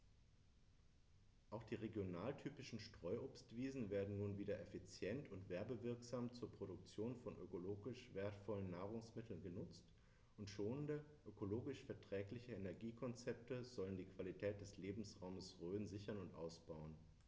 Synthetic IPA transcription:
ʔaʊxd̥iːʁeɡjonaːltʰyːpɪʃn̩ʃtʁ̥ɔʏʔoːpstv̥iːzn̩veːɐdn̩nuːnviːdɐʔefit͡sjɛntʰʊntv̥ɛɐbəvɪɐkz̥aːmt͡suːɐpʁ̥oɾʊk̚t͡sjoːnfɔnʔø̰koloːɡɪʃv̥eːɐtfɔlənːaːʁʊŋsmɪtʰl̩nɡənʊt͡st | ʔʊntʃoːnəndəʔøkoloːɡɪʃfɛɐtʁ̥ɛːklɪçəenɛɐɡiːkʰɔnt͡sɛp̚təzɔləndiːkv̥alitʰɛːt̚d̥ɛsleːbm̩sʁaʊməsʁøːnzɪçɐnʊntʔa̰ʊsb̥aʊən

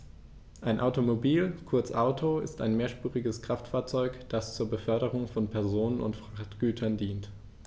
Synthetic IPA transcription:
ʔaɪnʔaʊtomobiːlkʰʊɐt͡sʔaʊtʰoɪ̰staɪnmeːɐʃpuːʁɪɡəskʁ̥aftfaːɐt͡sɔʏkd̥ast͡suːɐbəfœɐɾəʁʊŋfɔnpʰɛɐzoːnənʊ̰ntfʁ̥aχtɡ̥yːtʰɐndiːnt

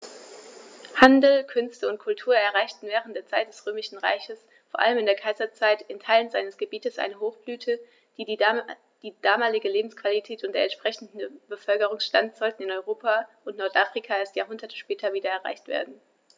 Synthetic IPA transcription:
handl̩kʰʏnstəʊnt̚kʰʊltʰuːɐɛɐʁaɪçtn̩vɛːʁ̞ən̩tdeːɐt͡saɪt̚d̥ɛsʁ̥øːmɪʃn̩ʁa̰ɪçəs | foːɐʔa̰ləmɪndeːɐkʰaɪzɐt͡saɪtɪntʰaɪlənzaɪnəsɡ̥əbiːtəsʔa̰ɪnəɦoːxb̥lyːtʰə | d | d̥iːd̥aːmaːlɪɡəleːbm̩skv̥alitʰɛːtʊntd̥eːɐɛntʃpʁ̥ɛçn̩dn̩b̥əfœlkəʁ̞ʊŋsʃtantz̥ɔltn̩ɪnɔʏʁoːpʰaʔʊntnɔɐtʔaːfʁ̥ikʰaeːɐstjaːɐɦʊndɐtʰə̥ʃpɛːtʰɐviːdɐɛɐʁ̞a̰ɪçtv̥ḛːɐdn̩

